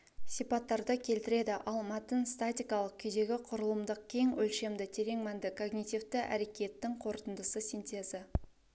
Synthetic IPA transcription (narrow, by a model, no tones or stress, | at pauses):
sijpɑt̪ːɑɾd̪əkʲʰe̞lt̪ɪɾe̞d̪ɪʔɑlˠmɑt̪ənst̪at̪ʲijkɑlˠəq̚kʲʰʏd̪e̞ɡʲɪqʰʊɾəlˠəmd̪əq̚kʲʰe̞ŋɵlʃe̞md̪ɪt̪ʰe̞ɾe̞ŋmænd̪ɪkʰo̞ɡnʲit̪ivt̪ɪʔæ̰ɾe̞kʲe̞t̪ːɪŋqʰo̞ɾt̪ənd̪əsəsʲint̪e̞zə